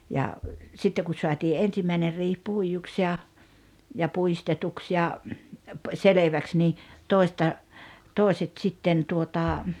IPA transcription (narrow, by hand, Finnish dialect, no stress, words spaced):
jɑ sitːe ku soɑtiː ʔensimːæiner riːh puijuks jɑ jɑ puistetuks jɑ seleʋæks niː toˑi̞stɑ toˑi̞set sitːen tuotɑ